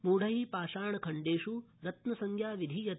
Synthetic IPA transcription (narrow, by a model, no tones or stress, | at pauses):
muːɽɐɦiːpaːʃaːɳɐkʰɐɳɖeːʃuɾɐt̪nɐsɐŋkʰjaːʋid̪ʱijɐt̪